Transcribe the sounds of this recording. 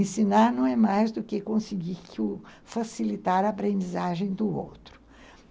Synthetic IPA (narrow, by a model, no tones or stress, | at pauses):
ẽsinaɾnɐ̃w̃ɛmajzd̪ʊkɪkõsɪɡiɾkɪʊ | fasilit̪aɾɐaːpɾẽnd͡ʒizaʒẽj̃d̪ʊo̰wt̪ɾʊ̥